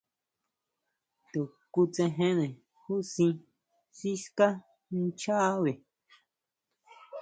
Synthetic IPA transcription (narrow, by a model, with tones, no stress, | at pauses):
t̪u˨ | ku˧t͡sẽ˧ɦẽ˦nẽ˨ | hu˦sĩ˧ | si˦ska˦ | n̩˦t͡ʃa˦ʔβe˨